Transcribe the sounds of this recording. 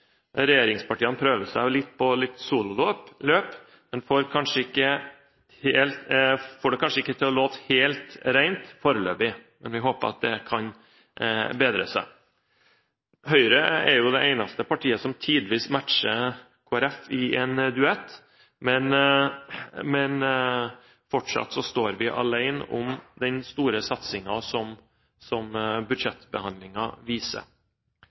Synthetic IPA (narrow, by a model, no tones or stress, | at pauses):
ɾɛjeːɾɪŋspʰɑʈiːənpʰɾøːʋəsæɪlɪt̪ːpʰɔlɪt̪ːsuːlʊloːpløːp | mɛnfoːɾkʰɑnʂəɪkːə | helt̪foːɖɛkʰɑnʂəɪkːət̪ʰɪlɔloːt̪helt̪ɾæɪnt̪fɔɾəlø̰ːbɪmɛnʋɪɦoːpə̰ɾɑ̰t̪̚d̪ɛkʰɑn | beːd̪ɾə̰sæ̰ | hœʏɾəɛɾjʊd̪ɛæɪnɑst̪əpʰɑʈʰiːəsɔmt̪ʰiːd̪ʋiːsmæʈʂə | kʰoːæɾɛfɪʔɛːnd̪ʉɛt̪ː | mɛn | mɛn | fɔʈʂɑ̰t̪sɔst̪oːɾʋɪʔɑ̰læɪnʊ̰md̪ɛnst̪uːɾəsɑt̪sɪŋɑsɔm | sɔmbʉd̪ʂɛt̪bəhɑnd̪lɪŋɑʋiːsə̰ɾ